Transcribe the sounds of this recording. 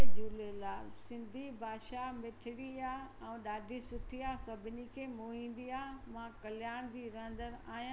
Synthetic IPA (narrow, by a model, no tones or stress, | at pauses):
ed̪ʱuːlelaːsɪ̃nd̪ʱibʱaːʃamɪʈʰɪɽiaːɛ̃ːɗaːɖʱisʊt̪ʰiaːsɐbʱɪnikʰeːmoːɦĩːnd̪iaːmãkɐljaːɽ̃d͡ʑiːɾɐ̃ə̃nd̪əɾaːɦijã